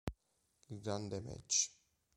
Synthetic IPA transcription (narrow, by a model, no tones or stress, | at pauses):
ilɡɾand̪emɛ̰t͡ʃː